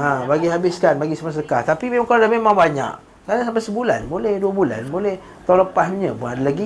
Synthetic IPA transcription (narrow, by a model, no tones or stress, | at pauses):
ãbaɡiɦabɪskanbaɡisəmas̬aəkaht̪apimẽmaŋkoadamemãŋbaɲa̰k | kaɾaŋsampasəbula̰nbolɛhduəbula̰nbolɛh | t̪ãləpasuɲapʊnadalaɡi